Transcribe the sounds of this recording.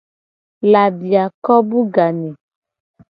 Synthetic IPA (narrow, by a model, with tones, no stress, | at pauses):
la˨ɖi˨a˨kɔ˦bu˦ɡa˨nɛ˨